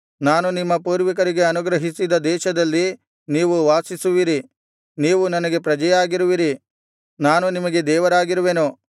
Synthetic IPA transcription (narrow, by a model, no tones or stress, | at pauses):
naːnunimːɐpuːɾʋik̬ɐɾiɡe̞ɐnuɡɾɐɦisid̪ɐd̪ɛːʃɐd̪ɐlːi | niːʋuʋaːsisuʋiɾi | niːʋunɐnɐɡe̞pɾɐd͡ʒɐjaːɡiɾuʋiɾi | naːnunimɐɡe̞d̪ɛːʋɐɾaːɡiɾuʋeːnu